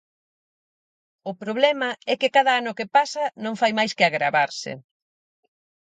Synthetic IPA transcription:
ʊpɾoβ̞lɛmɐɛkɪkaðɐanʊkɪpasɐnõŋfajmajskɪaɣɾaβaɾsɪ̰

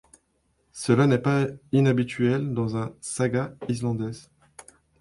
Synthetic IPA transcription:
səlanɛpainabit̪ɥɛld̪ɑ̃zɛ̃saɡaislɑ̃d̪ɛz

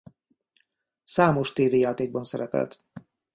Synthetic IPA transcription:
saːmoʃt̪eːvejaːt̪eːɡ̚bɒnsɛɾɛpɛ̰lt̪

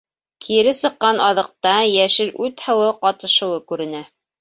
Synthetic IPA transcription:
kʰĭɾɘsɤ̆qːɑnɑðɤ̆q̚t̪ɑjæʃɘɾʔʉt̪hɤ̆wɤqɑt̪ɤ̆ʃɤ̆wɤkʉɾɘ̆næ

